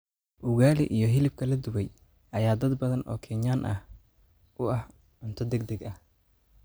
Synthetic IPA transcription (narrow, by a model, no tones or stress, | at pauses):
ʔʊɣaːlɪ̰ʔijɞɦɪlɪb̚kʰɐlɐd̪ʊwɛj | ʔɐjaːd̪ɐd̪bɐðɐnʔɔ̰ːkʰɛɲaːnʔɐ̰h | ʔʊɐh | ʕʊnt̪ʰɔd̪ɛɡ̚d̪ɐɡɐh